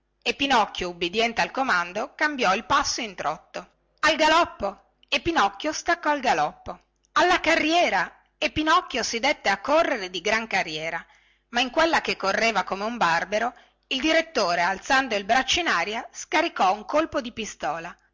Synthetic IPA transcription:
epːinɔkːjoubid̪jɛnt̪ealkomand̪okambjɔilpasːoint̪ɾɔt̪ːo | alɡalɔpːo | epːinɔkːjost̪akːɔalɡalɔpːo | alːakarːjɛːɾa | epːinɔkːjosid̪et̪ːeakːorːeɾed̪iɡɾaŋkarːjɛːɾa | maiŋkwelːakekːorːeːvakomeumbarbeɾo | ild̪iɾet̪ːoːɾealt̪sand̪oilbɾat͡ʃːinaːɾjaskaɾikɔuŋkolpod̪ipist̪ɔːla

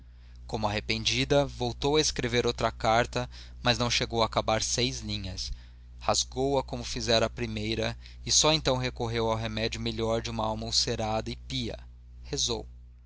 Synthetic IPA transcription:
kõmʊaɦepẽnd͡ʒid̪ɐvowt̪owɐeskɾeveɾowt̪ɾɐkaɾt̪ɐ | mɐznɐ̃w̃ʃeɡowakabaɾsejzlĩɲɐs | hazɡowɐkõmʊfizɛɾɐːpɾimejɾɐ | ɪsɔẽnt̪ɐ̃w̃ɦekoɦewawɦemɛd͡ʒʊmeʎɔɾd͡ʒɪũmɐawmowseɾad̪ɐɪpiɐ̰ | hezo̰w

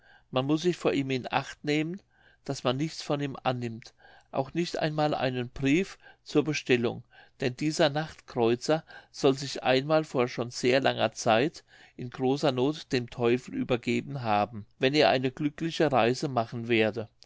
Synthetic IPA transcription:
manmʊs̬z̥ɪçfoːɐʔiːmɪnʔa̰χtneːmən | d̥asmanːɪçt͡sfɔniːmʔa̰nːɪmt | ʔa̰ʊxnɪçtʔa̰ɪnmaːlʔa̰ɪnənbʁiːft͡suːɐbəʃtɛlʊ̰ŋd̥ɛndiːzɐnaχtkʁ̥ɔʏt͡sɐz̥ɔlzɪçʔa̰ɪnmaːlfoːɐʃoːnz̥eːɐlaŋɐ̰t͡saɪt | ʔɪnɡʁoːsɐnoːtd̥eːmtʰɔʏfl̩ʔy̰ːbɐɡeːbn̩ɦaːbm̩vɛneːɐʔaɪnəɡlʏklɪçəʁaɪzəmaχn̩veːɐdə

